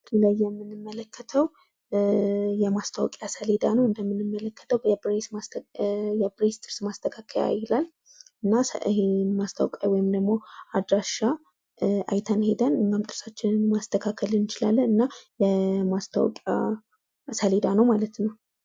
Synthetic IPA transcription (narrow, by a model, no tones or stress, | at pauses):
ilajːɛmːɨnːɨmːələkʰːət̪ʰəw | jɛmast̪ʰawɔkʼjasəled̪anəwɨnd̪əmːɨnɨmːələkːə̥t̪ʰəwɛbɾesa | jɛbɾest̪ʼɨɾsmast̪ʰəkʰakʰəja̰jɪlal | ɨnːahemast̪ʰə̰wkʼa̰jwɔjɪmd̪əɡmo̞ad̪ɾaʃa | a̰jt̪ʰənhe̞d̪ənɨɲːamt̪ʼɨɾsat͡ʃːɪnnmast̪ʰəkʰakʰəlɨnɨt͡ʃɪlalːənɨnːajɛmast̪ʰa̰wɔ̰kʼja̰ | səled̪anəwmalət̪nəw